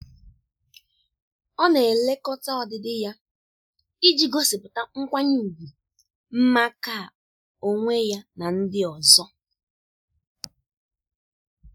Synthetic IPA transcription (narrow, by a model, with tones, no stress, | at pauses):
ɔ˦ne˨le˦kɔ˦ta˦ɔ˨dɪ˨dɪ˦ja˦ | i˦d͡ʒi˨ɡo˦sɪ˨pʊ˨ta˦ŋ̩˦kʷa˦ɲɪ˦˨ɡu˨ | m̩˦ma˦ka˦˨ | o˦ŋʷe˦ja˦na˨n̩˦dɪ˦ɔ˨zɔ˦